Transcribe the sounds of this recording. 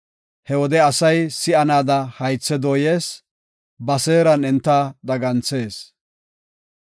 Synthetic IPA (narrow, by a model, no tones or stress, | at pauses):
hɛwɔd̪ɛɐsɐjsɪɐnaːd̪ɐhɐjt͡sːɛd̪oːjeːs | bɐseːɾɐnɛnt̪ːɐd̪ɐɡɐnt͡sːe̞ːs